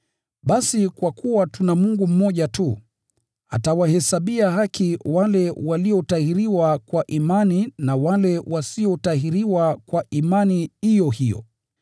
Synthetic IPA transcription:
ɓasikwakuwatunamuŋɡum̩mɔʄatu | a̰tawahɛsaɓiahakiwalɛwaliɔtahiɾiwakwaʔimaninawalɛwasiɔtahiɾiwakwaʔimanihijɔhijɔ̰

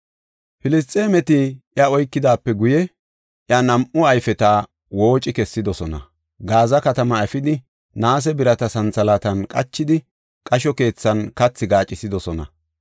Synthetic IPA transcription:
fɪlɪst̪ʼːeːmɛt̪ɪʔjɐɔjkːɪd̪aːpːɛɡʊjɛ | ʔjɐnɐmʔʊɐjfɛt̪a | wo̞ːt͡ʃʼɪkɛsːɪd̪ɔsɔnɐ̰ | ɡaːzɐkɐt̪ɐmɐɛfɪd̪ɪ | naːs̬ɛbɪɾɐt̪ɐsɐnt͡sɐlaːt̪ɐnkʼɐt͡ʃːɪd̪ɪ | kʼɐʃɔke̞ːt͡sːɐnkɐt͡sːɪɡaːt͡ʃʼːɪsɪd̪ɔsɔnɐ̰

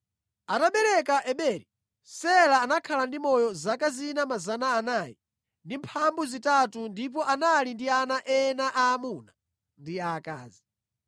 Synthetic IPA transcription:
ataɓɛɾɛkaʔɛɓɛːɾi | sɛlaːnakʰalandimɔjɔzakazinamazanaːnaːji | ndimpʰambuzitatundip̬ɔʔanalindianaʔɛnaʔaːmuna | ndiaka̰ːzi

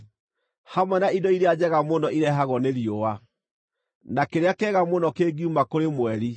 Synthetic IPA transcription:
hamwɛnaidɔiɾead͡ʑɛɣamonɔiɾɛɦaɣɔneɾiowa | nakeɾeakɛɣamonɔkeːɡiumakoɾemwɛɾi

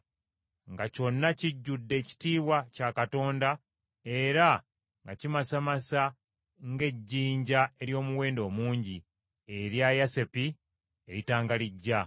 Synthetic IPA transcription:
ŋɡaco̞nːaciɟːudːe̞ːci̥tiːwacakato̞ːnda | e̞ɾa | ŋɡacimasamasa | ŋɡe̞ɟːiːɲɟae̞ɾjo̞ːmuwe̞ːndo̞ːmuːɲɟi | e̞ɾjajase̞pi | e̞ɾitaːŋɡaliɟːa

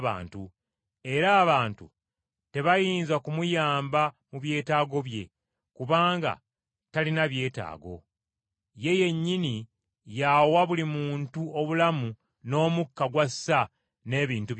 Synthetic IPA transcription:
βa̰ːntu | e̞ɾaːβaːntṵ | te̞βajiːnzakumujaːmba | muβje̞ːtaːɡo̞βje̞̰ | kuβaːŋɡa̰ | talinaβje̞ːta̰ːɡo̞̰ | je̞je̞ɲːini | jawaβulimuːntuo̞βulamu | no̞ːmukːaɡwasːa | ne̞ːβiːntu

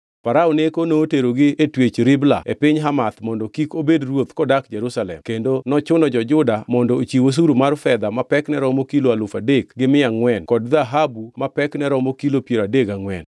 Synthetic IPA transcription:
paɾaonekonoːteɾoɡɪetwet͡ʃɾɪbla̰epɪɲɦamat̪mɔndɔkikobedrwot̪kɔdakd͡ʒɛɾusalɛ̰mkendonɔt͡ʃʊnɔd͡ʒɔd͡ʒʊdamɔndɔot͡ʃiwos̬uɾumarfɛd̪amapɛknɛɾɔmokiloalʊfadekɡɪmɪaŋwɛnkɔdðaɦabumapɛknɛɾɔmokilopjeɾadeɡaŋwɛn

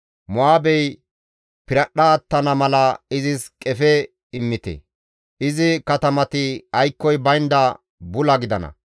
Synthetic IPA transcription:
mʊaːbɛj | pɪɾɐɗːɐːt̪ːɐnɐmɐlɐɪzɪskʼɛfɛ | ɪmːɪt̪ɛ̰ | ʔɪzɪkɐt̪ɐmɐt̪ɪɐjkːɔjbɐjnd̪ɐ | bʊlɐɡɪd̪ɐnɐ̰

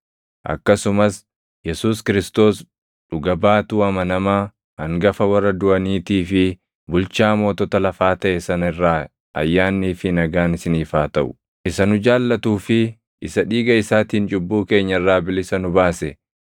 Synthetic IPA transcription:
ʔɐ̰kːɐsʊmɐs | jɛsuːskɪɾɪst̪o̞ːs | ᶑʊɡɐbaːt̪uːɐmɐnɐmaː | ɐŋɡɐfɐwɐrːɐd̪ʊɐniːt̪iːfɪ | bʊlt͡ʃaːmo̞ːt̪ɔt̪ɐlɐfaːt̪ɐʔɛsɐnɐɪrːaː | ɐ̰jːaːnːiːfɪnɐɡaːnɪsɪniːfaːt̪ɐʔʊ̥ | ʔɪsɐnʊd͡ʒaːlːɐt̪uːfɪ | ʔɪsɐᶑiːɡɐɪsaːt̪iːnt͡ʃʼʊbːuːke̞ːɲːɐɪrːaːbɪlɪsɐnʊbaːsɛ

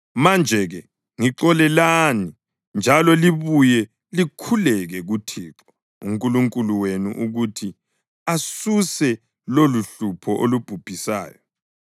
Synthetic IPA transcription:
mand͡ʒʱɛɣɛ | ŋiǁɔlɛlani | nd͡ʒʱalɔliβujɛ | likʰulɛɣɛɣutʰiːǁɔ | ṵŋkʼuluŋkʼuluwenṵʔuɣutʰi | asusɛ | loluɬupʰɔʔolub̥ʱub̥ʱisa̰ːjɔ

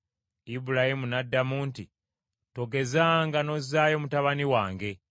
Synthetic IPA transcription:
ibuɾahimunadːamunti | to̞ɡe̞zaŋɡano̞zaːjo̞mutaβaniwaːŋɡe̞

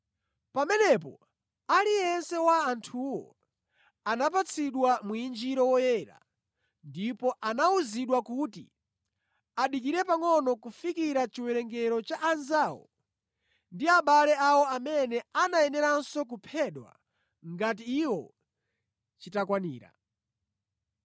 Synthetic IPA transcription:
pamɛnɛpɔ̰ | aliɛnsɛwaːntʰuwɔ̰ | anapat͡sʰiɗwamuind͡ʒiɾɔwɔjɛːɾa̰ | ndipɔʔanauziɗwakutḭ | aɗikiɾɛpaŋɔnɔkufikiɾat͡ʃiwɛɾɛŋɡɛɾɔt͡ʃaʔːnzaːwɔ̰ | ndiaɓalɛawɔamɛnɛanaɛnɛɾansɔk̬upʰɛɗwa̰ | ŋɡatiːwɔ | t͡ʃitakwanḭːɾa̰

